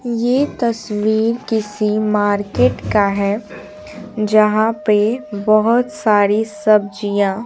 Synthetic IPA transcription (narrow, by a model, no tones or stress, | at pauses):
jeːt̪ɐswiːɾkɪsimaːɾkeːʈkaɦɛ | d͡ʒɐɦãpebəɦʊt̪saːɾisɐb̚d͡ʒijãː